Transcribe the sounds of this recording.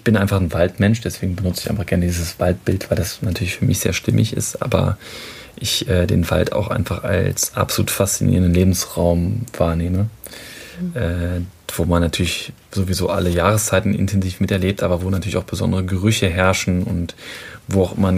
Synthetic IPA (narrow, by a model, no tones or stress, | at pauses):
ʔɪçb̥ɪnʔaɪnfaχn̩valtmɛnʃd̥ɛsv̥eːɡŋ̩bənʊt͡səɪça̰ɪnfaχɡ̥ɛɐnədiːzəsv̥alt̚b̥ɪltv̥aɪldasnatʰyːɐlɪçfyːɐmɪçz̥ḛːɐʃtɪmɪ̰çɪ̰stʔa̰ːbɐ̰ | ʔɪçʔɛːdḛːnva̰ltʰa̰ʊxʔa̰ɪnfaχa̰lsʔa̰pz̥olṵːtfast͡sinḭːʁəndənleːbm̩sʁaʊmv̥aːɐneːmə | ʔɛːv̥oːmanːatʰyːɐlɪç | zoːvizo̰ːʔa̰ləjaːʁ̞əst͡saɪtn̩ɪ̰ntʰɛnziːfmɪtɛɐleːp̚tʔaːbɐvoːnatʰyːɐlɪçʔaʊχb̥əzɔ̰ndəʁ̞əɡəʁ̞ʏçəɦɛɐʃn̩ʊntvoːaʊxʔɪmɐn